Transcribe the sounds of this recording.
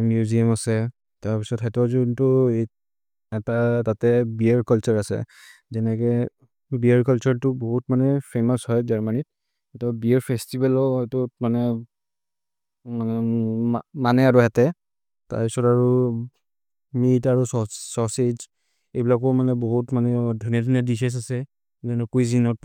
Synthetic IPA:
mjuziamasɛ | taɹpisɔtɦɛtɔzuntʊe | ɛtatatɛbiaɹkɔlt͡ʃɔɹasɛ̰ | zɛnɛkɛ | biaɹkalt͡ʃɔɹtʊboɦutmanɛpʰemɔshɔjzaɹmanit̚ | hɛtɔbiɛɹpʰestibɛlɔɦɔjtʊmanɛ | manɛamanɛaɹuɦɛtɛ | ta̰ɹpisɔtaɹu | mitaɹusɔsɔsez | ejbilakɔmanɛbɔɦutmanɛdʱunijadinadises̬asɛ | zɛnɔkujzinɔt

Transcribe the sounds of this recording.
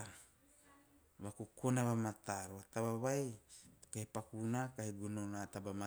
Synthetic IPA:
βakukonaβamat̪aɾuat̪aβaβajkahipakunakahiɡunonat̪abama

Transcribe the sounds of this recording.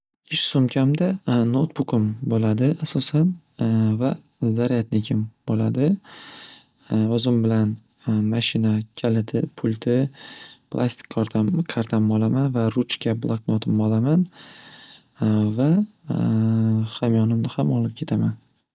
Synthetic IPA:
ɪʃsomkʲʰamd̪anot̪bʊkɪmbolad̪ɪasɒsan | va | zaɾjat̪nɪkʲʰɪmbolad̪ɪ | ɵzɪmbɪlan | maʃɪnakʲʰalɪt̪ʰɪpʰʊlʲt̪ʰɪpʰlˠa̰st̪ʰɪ̥k̪ʲʰkʰaɾt̪ʰamɒlˠamanvaɾʊt͡ʃkʲʰablˠaknot̪ʰɪmɒlaman | va | hamjɒnɪmnɪhamɒlɪp̚kʲʰe̞t̪ʰaman

